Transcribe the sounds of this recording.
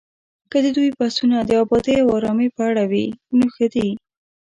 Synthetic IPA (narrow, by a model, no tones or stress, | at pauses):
kəd̪əd̪ujpasunad̪əɑbɑd̪eawɑɾɑmepəaɽawinoxəd̪i